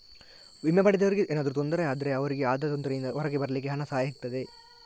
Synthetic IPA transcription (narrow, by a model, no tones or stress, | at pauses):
ʋimjɐpɐɽid̪ɐʋɐɾiɡeʔeːnaːd̪ɐɾut̪ond̪ɐɾɐjaːd̪ɐɾeɐʋɐɾiɡeaːd̪ɐt̪ond̪ɐɾɐjind̪ɐɔɾɐɡebɐɾɐlik̬ːeɦɐnɐsaːjɐɦit̪ːɐd̪e